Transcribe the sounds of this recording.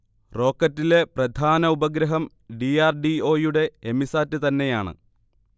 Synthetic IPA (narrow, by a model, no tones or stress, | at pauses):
ro̞ːkːɐtːile̞prɐd̪ʱaːnɐubɐɡɾɐɦɐm | ɖiaːrɖio̞ːjuɽe̞ːmisaːtːɨt̪ɐnːe̞jaːɳɨ̰